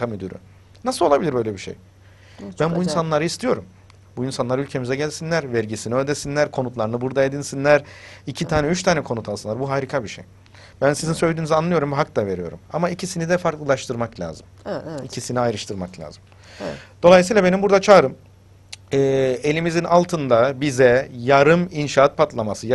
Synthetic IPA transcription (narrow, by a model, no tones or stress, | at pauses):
amyd̪yɾy̰ | nasɯlolˠabilʲiɾbø̞jlʲebiʃḛj | b̥ænbuinsanlˠaɾɯist̪ʰijo̞ɾum | buinsanlˠaɾɯylʲcʰe̞mizɛɟælʲsinlʲæɾvæɾɟisiniølʲd̪esinlʲæɾkʰo̞nut̪lˠaɾɯnɯbuɾd̪aed̪insinlʲæɾicʰit̪ʰaːnɛyt͡ʃt̪ʰaːnɛkʰo̞nut̪ʰalˠsɯnˠaɾbuɦaːɾikʰabiʃḛj | b̥ænsizinsølʲd̪iːnyzianlˠɯjo̞ɾumbiɦak̚d̪ave̞ɾijo̞̰ɾṵmamaicʰisinid̪ɛfaɾklˠɯlˠaʃt̪ʰɯɾmaklʲa̰ːzɯmɛɛicʰisiniajɾɯʃt̪ʰɯɾmaklʲa̰ːzɯm | d̪̥oajs̬iːlʲˠabe̞nimbuɾd̪at͡ʃʰaɾɯm | ɛːe̞lʲimizinʔalˠt̪ʰɯnd̪abizɛjaɾɯminʃaːat̪̚pʰat̪lˠamasɯ